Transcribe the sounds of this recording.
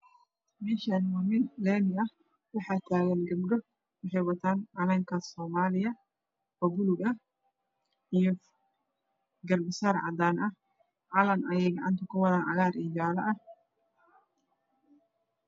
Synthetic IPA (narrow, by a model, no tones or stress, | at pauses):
mɛːʃaːnwamɪnlɛːmɪɐh | wɑħɑːt̪ʰaːɣɐnɡɐbɖɔ | wɑħɛjwɐt̪ʰaːnʕɑlɐŋkʰɐsɔːmaːlɪjɐ | ɔɡʊlʊɡɐ | ijɔ | ɡɐrbɪsaːɾʕɑ̰d̪aːnʔɐh | ʕɑlɐnʔɐjɛjɡɑʕɑnt̪ʰɐkʰʊwɑɾaːnʕɑɣaːɾʔiːd͡ʒaːlɐʔɐh